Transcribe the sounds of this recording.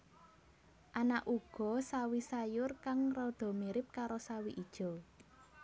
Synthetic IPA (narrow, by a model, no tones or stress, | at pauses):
ʔanaʔuɡ̥ɔ̤sawisajʊrkaŋrɔd̪̥ɔ̤miɾɪp̚kaɾosawiʔid̥ʒ̥ɔ̤